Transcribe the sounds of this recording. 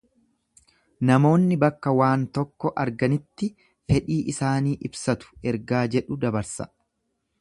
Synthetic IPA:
nɐmo̞ːnːɪbɐkːɐwaːnt̪ɔkːɔʔɐɾɡɐnɪt̪ːɪ | fɛᶑiːʔɪsaːniːʔɪbsɐt̪ʊ̥ʔɛɾɡaːd͡ʒɛᶑʊd̪ɐbɐɾsɐ̥̰

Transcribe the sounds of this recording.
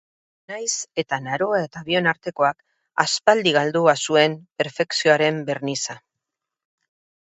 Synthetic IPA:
najse̞t̪anaɾo̞ae̞t̪aβio̞naɾt̪e̞ko̞ak | a̰spald̪iɣald̪uβasue̞mpe̞ɾfe̞ksioaɾe̞mbe̞rnisa

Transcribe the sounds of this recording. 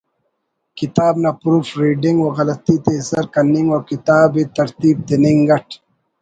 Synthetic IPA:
kit̪aːbnapɾuːfɾiːɖiŋɡwoɣɐlɐt̪it̪ezɐɾkɐnːiŋɡwokit̪aːbit̪ɐɾt̪iːb̚t̪eniŋɡɐʈʰ

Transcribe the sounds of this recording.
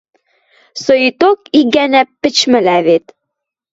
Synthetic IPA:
soit̪okiɡænæpːɘ̆t͡ɕmɘ̆læβet̪

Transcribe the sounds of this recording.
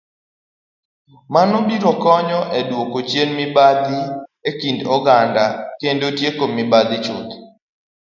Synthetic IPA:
manɔbiɾɔkɔɲɔʔedwokot͡ʃjenmɪbad̪iekindɔɡandakendotjekomɪbad̪ɪt͡ʃʊ̰t̪

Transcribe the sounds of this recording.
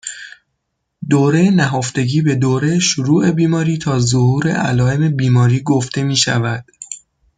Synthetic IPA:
d̪oːɾejenæɦoft̪e̞ɟiːbe̞d̪oːɾe̞jeʃoɾuːʔe̞biːmɒːɾiːt̪ʰɒːzohuːɾe̞̰ʔæ̰lɒːe̞me̞biːmɒːɾiːɡoft̪e̞miːʃævæd̪̥

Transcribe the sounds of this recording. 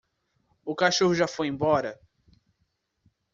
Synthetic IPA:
ʊkaʃohʊʒafojẽbɔɾɐ

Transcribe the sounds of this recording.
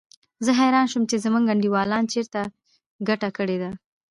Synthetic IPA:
zəɦajɾɑnʃəmt͡ʃezəmuŋɡaɳɖiwɑlɑnt͡ʃeɾt̪a | ɡaʈakəɽed̪a

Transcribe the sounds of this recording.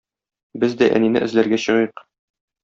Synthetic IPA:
bɘzd̪æʔæ̰ninɘ̰ʔɘ̆zlæɾɡæɕɤ̆ʁjq

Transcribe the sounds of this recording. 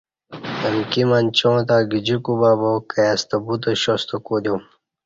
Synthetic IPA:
ɐnkimant͡ɕõːt̪̬aːɡid͡ʑikubaːbokɐjast̪ɐbut̪oɕost̪okoːd̪jum

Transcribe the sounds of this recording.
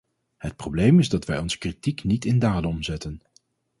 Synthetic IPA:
ɦət̚prowblejmɪzdɑtʋɛjɔnzə̥kritiknitɪndaːdənɔmzɛtən

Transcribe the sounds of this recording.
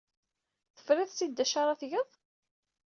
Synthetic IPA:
θə̥fɾɪðˤsid̪ːæʃaɾˤɑθʝəðˤ

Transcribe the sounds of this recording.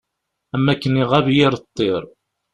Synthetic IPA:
æmːækːəniʁæβjɪɾˤət̪ˤːeɾˤ

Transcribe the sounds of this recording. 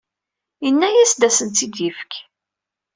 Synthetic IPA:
jənːæjæsd̪æsənt̪id̪jəfk

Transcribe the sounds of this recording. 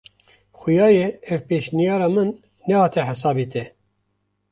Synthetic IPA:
xʊjɑːjeɛvpeːʃnijɑːɾɑːmɨnː | ɛhɑːt̪ʰɛħɛsɑːbit̪ʰɛ

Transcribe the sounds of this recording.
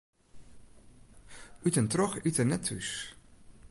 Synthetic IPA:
ytənt̪rɔχytənɛtʰʉ̰s

